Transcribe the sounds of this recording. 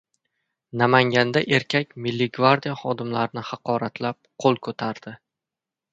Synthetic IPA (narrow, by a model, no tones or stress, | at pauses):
namaŋɡʲand̪aʔe̞ɾkʲʰakʲmɪlːiɡvaɾd̪ijaχɒd̪ɪmlaɾɪnɪhɑqʰɒɾat̪ʰlap̚qʰolˠkʰɵt̪ʰaɾd̪̥ɪ